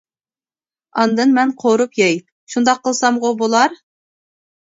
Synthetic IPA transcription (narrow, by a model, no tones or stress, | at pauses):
ɑnd̪ɨnmɛnqʰoɾupjɑjt̪̚ | ʃund̪ɑqʰːəlˠsɑmʁobolˠɑɾ